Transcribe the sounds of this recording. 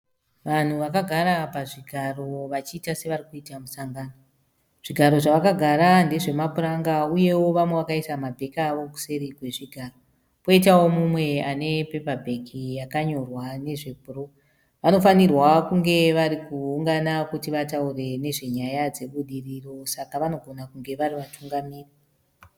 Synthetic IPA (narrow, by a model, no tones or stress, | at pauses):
ʋan̤uʋakaɡʱaɾapaʐiɡʱaro̞ʋat͡ʃiːtase̞ʋaɾikuitamusaŋɡano | ʐ̥iɡʱaɾo̞ʐaʋakaɡʱaɾande̞ʐe̞mapuɾaŋɡauje̞wo̞ʋamwe̞ʋakaisamabʱe̞kaʋo̞ku̥se̞ɾiɡʱwe̞ʐiɡʱaro | po̞itawo̞mumwe̞ane̞pe̞pabʱe̞kʰijakaɲo̞rwane̞ʐe̞bʱuro̞ | ʋanofanirwakuŋɡe̞ʋaɾikuːŋɡanakutiʋataure̞ne̞ʐe̞ɲajad͡ze̞ɓuɗiriro̞sakaʋano̞ɡʱo̞nakuŋɡe̞ʋaɾiʋatuŋɡamiːri